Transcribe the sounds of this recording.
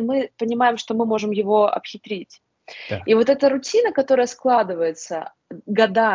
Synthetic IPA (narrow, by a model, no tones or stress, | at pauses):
mɨpənʲɪmajɪmʂt̪o̞mɨmo̞ʐɨmjɪvo̞ɐ̰pxʲɪt̪ɾʲitʲ | ivo̞t̪ɛt̪əɾʊtʲinəkɐt̪o̞ɾəjəsklˠad̪ɨvəjɪt̪sə | ɡɐd̪a